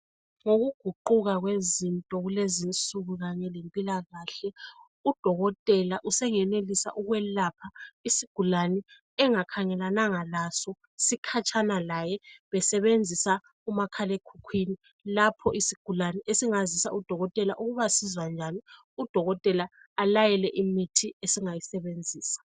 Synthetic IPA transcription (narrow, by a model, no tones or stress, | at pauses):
ŋoɣuɡ̥ʱuǃuɣaɣwezintʼɔɣulezint͡sʼuɣuɣaɲɛlempʼilaɣaːɬɛ | ud̥ʱɔɣɔtʼɛlaʔusɛŋɛnelisa̰ʔuɣwɛlapʰaisiɡ̥ʱulanɛ | ɛŋakʰaŋɛlanaŋalasɔ | sikʰat͡ʃʰʼanalajɛβɛsɛβend͡zʱisa | umakʰalekʰukʰwini | lapʰɔʔisiɡ̥ʱulanɛʔesiŋazisa̰ud̥ʱɔɣɔtʼɛlaʔuɣuβasizwand͡ʒʱani | ud̥ʱɔɣɔtʼɛlaːlajɛlɛʔimitʰiesiŋajisɛβend͡zʱiːsḁ